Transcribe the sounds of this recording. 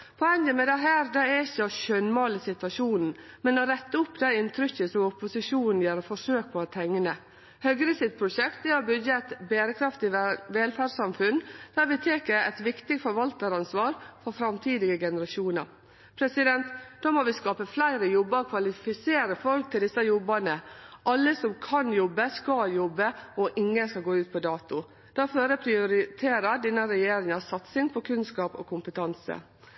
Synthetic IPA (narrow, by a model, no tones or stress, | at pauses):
pʰɔɛnjəmɛd̪ɛɦæːɾd̪ɑɛɾɪçːəɑʃœnmɑːlɪsɪt̪ʋɑʂuːnn̩ | mɛnɔɾɛt̪ːəʊpːd̪æɪɪnt̪ʰɾʏçəsɔmʊpʊsɪʂuːnn̩jæːɾfɔʂøːk̚pʰɔɛt̪ʰɛŋːnə | hœɡɾɪsɪt̪̚pʰɾʊʃɛkt̪ɛɔbʏdəɛɪt̪beːɾəkʰɾɑft̪ɪʋɛːlfæːsɑmfʉnd̪̥æɾʋɪt̪ʰeːkəɛɪt̪ʋɪkt̪ɪɡfɔɾʋɑlt̪əɾɑnsʋɑːɾfɔɾfɾɑmt̪ʰiːd̪ɪɡəɡɛnəɾɑʃuːnəɾ | pʰɾɛsɪd̪ɛnt̪d̪̥oːmɔʋɪskɑːpəflæɪɾəjɔbːəɾkʰʋɑlɪfɪseːɾəfɔlk̚t̪ʰɪld̪ɪsːəjɔbːənəʔɑlːəsɔmkʰɑnjɔbːəskɑjɔbːəɔʔɪŋːənskɑlɡoːʉːt̪̚pʰɔd̪ɑːt̪ʊ | d̪̥ɑføːɾəpʰɾɪʊɾɪt̪ʰeːɾəd̪ɪnːəɾɛjeːɾɪŋɑsɑt̪sɪŋpʰɔkʰʉnskɑːpɔ̰kʰʊmpət̪ʰɑnsə̰